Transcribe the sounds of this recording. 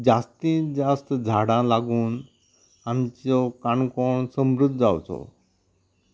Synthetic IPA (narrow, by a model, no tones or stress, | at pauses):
d͡ʑast̪ĩd͡zast̪d͡zʱaɽãlaɡuːn | ant͡sokaɳkoːɳsəmɾʊd̪ʱd͡zawt͡sʰo̰